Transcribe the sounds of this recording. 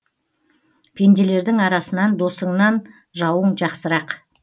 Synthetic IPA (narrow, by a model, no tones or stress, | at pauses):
pʰe̞nd̪e̞le̞ɾd̪ɪŋɑɾɑsənɑnd̪o̞səɴnɑn | ʒɑwəɴʒɑqsəɾɑq